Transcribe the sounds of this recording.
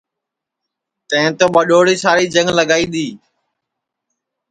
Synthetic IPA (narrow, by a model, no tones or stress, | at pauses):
t̪ə̃ɦɪ̃t̪oːɓəɗoːɽiːsaːɽiːd͡ʒəŋləɠaːiːɗ̪iː